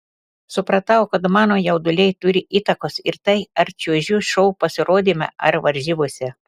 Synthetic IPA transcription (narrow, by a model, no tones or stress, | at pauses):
sʊpɾɐt̪ɐʊkɐt̪mɑːnoːjɛʊd̪ʊlʲɛɪt̪ʊɾʲɪʔiːt̪ɐkoːsɪɾt̪ɐɪɐɾt͡ʃʲuɔʒʲuʃɔʊpɐsʲɪɾoːd̪ʲiːmʲɛ̰ʔɐ̰ɾʋɐɾʲʒʲiːbosʲɛ